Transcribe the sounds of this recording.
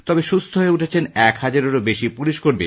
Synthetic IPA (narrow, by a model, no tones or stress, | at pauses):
t̪ɔbeʃust̪ʰoɦoeuʈʰet͡ɕʰenɛkhad͡ʑaɾoɾobeʃipuliʃkoɾbe